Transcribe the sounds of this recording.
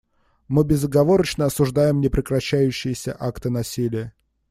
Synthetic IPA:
mɨbʲɪzːəɡɐvo̞ɾət͡ɕnəɐsʊʐd̪ajɪmnʲɪpɾʲɪkɾɐɕːæjʉɕːɪjɪsʲə̰ʔakt̪ɨnɐsʲilʲɪjə

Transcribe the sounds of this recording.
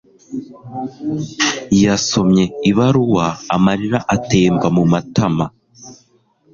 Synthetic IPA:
jaso̞mɲe̞iβaɾuwaːmaɾiɾaʔate̞ːmbamumatama

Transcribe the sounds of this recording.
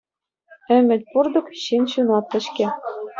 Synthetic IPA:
ɘ̆mʲɘ̆t̪ʲpurd̪ɤ̆kɕinɕunɑt̪ːɘ̆ɕkʲɘ̆

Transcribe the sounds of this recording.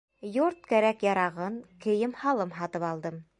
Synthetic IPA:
joɾt̪̚kæɾækjɑɾɑʁɤnkɘ̆jɘmhɑlˠɤmɦɑt̪ɤpɑlˠd̪ɤm

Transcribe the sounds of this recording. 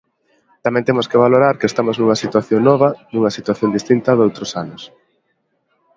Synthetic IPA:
t̪amɛ̃nt̪emʊskeβ̞aloɾaɾkest̪amoznuŋɐsit̪waθjoŋnɔβ̞ɐnuŋɐsit̪waθjond̪ist̪int̪ɐðowt̪ɾosanʊs

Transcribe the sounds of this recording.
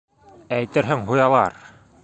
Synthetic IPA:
æjt̪ɘ̆ɾɦɘŋɦujɑlˠɑ̰ɾ

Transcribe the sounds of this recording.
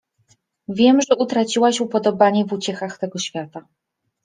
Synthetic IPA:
vʲjɛmʐɛʔut̪ɾat͡ɕiwaɕupɔd̪ɔbaɲɛvut͡ɕɛxaxt̪ɛɡɔɕfʲjat̪a

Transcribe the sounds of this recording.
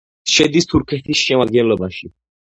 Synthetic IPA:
ʃɛd̪ist̪ʰuɾkʰɛt̪ʰisʃɛmad̪ɡɛnlɔbaʃi

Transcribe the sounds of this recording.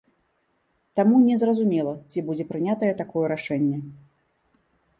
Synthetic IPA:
t̪amunʲɛzrɐzumʲɛlˠɐt͡sʲibud͡zʲɛpɾɨnʲat̪ɐjɛt̪akɔjɛɾaʂɛnʲːɛ

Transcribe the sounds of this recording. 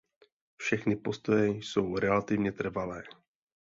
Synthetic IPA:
fʃɛxnɪpo̞st̪ojɛjso̞wɾɛlat̪ɪvɲɛt̪r̩valɛː

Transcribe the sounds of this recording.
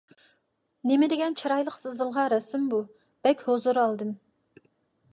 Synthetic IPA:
nɪmɪd̪ɪɡʲɛnt͡ʃʰɑɾɑjlˠəqsɨzɨlˠʁɑɾɛsɪmbu | b̥ɛkʲhozuɾɑlˠd̪ɨm

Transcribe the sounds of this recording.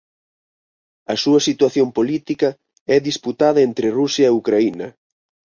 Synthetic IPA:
ɐsuɐsit̪waθjompolit̪ikɐ | ɛðisput̪aðɐent̪ɾɪrusjɐeukɾainɐ

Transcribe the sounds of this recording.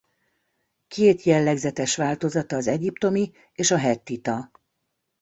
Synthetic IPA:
kʰeːt̪jɛlːɛɡzɛt̪ɛʃʋaːlt̪o̞zɒt̪ɒːzɛɟipt̪o̞mi | eːʃɒɦɛt̪ːit̪ɒ

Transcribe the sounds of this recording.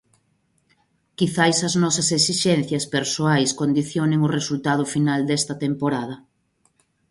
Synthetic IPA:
kiθajsɐznɔsɐseksiʃɛn̟θjɐspeɾsoajskond̪iθjonɪŋʊresult̪að̞ʊfinald̪ɛst̪ɐt̪empoɾað̞ɐ

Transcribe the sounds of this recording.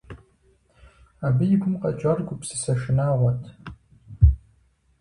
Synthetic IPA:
aːbɨjɪɡʷʊmqʼɐt͡ʃʼɐrɡʷʊpsɨsɐʃɪnaːʁʷɐtʰ

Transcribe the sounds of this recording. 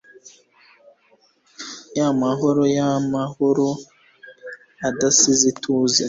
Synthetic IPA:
jamaɦo̞ɾojamahoɾo | adasizitʰuza

